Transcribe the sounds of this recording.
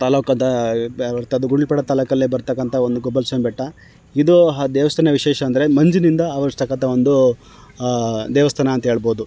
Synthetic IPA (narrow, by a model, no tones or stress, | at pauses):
t̪aːlokɐd̪ɐɾt̪ɐd̪uɡuɽilpɛɽɐt̪aːlɐkɐlːibɐɾt̪ɐkːɐnt̪ʰɐond̪uɡɔbɐlsenbɛʈːɐ | id̪uɦɐd̪ɛːʋɐst̪ʰɐnɐʋiʃɛːʃɐːnd̪ɐɾe̞mɐɲd͡ʒinind̪ɐːʋɐɾst̪ɐkːɐnt̪ʰɐo̞nd̪u | d̪ɛːʋɐst̪ʰɐnɐːnt̪ɐɦe̞ːɭboːd̪u